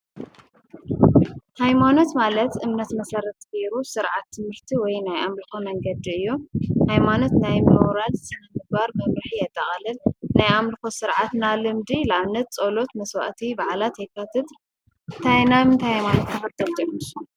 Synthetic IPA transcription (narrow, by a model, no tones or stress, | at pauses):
hajmano̞t̪malɐt̪ʔɨmnɐt̪mɐsɐɾɐt̪ːkeɾusɨɾʕat̪ʰːɨmhɨɾt̪ʰiwɔjnajʔamlɨxomɐŋɡɐd̪iɨjːuhajmano̞t̪najmoɾalsɨnɐmɨɡ̚baɾmɐmɾɨħijɛt̪ʼːɐχʼɐlɨlnajamlɨxosɨɾʕat̪nalɨmd̪ilaʔaβnɐt̪̚t͡sʼolo̞t̪mɐswa̰ʔt̪ʰibaʕalat̪ejkʰːat̪ʰɨt̪ | t̪ʰajnamɨnt̪ʰahajmanot̪kʰɐfɐt̪ʰːɐld̪ɨmːiʃ